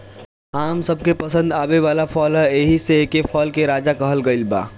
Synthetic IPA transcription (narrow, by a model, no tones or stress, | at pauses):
aːmsəb̚ʱkepəsə̃nd̪aːbeʋaːlapʰɔːlɦeːɦisekepʰɔːlkeɾaːd͡ʒakɐɦəlɡəɪlba̰ː